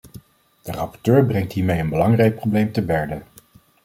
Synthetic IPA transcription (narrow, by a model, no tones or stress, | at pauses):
d̥ərɑpɔ̥ɹtøːɹbrɛŋtɦiːɹmejənbəlɑŋrɛjk̚prowblejmtəbɛɹdə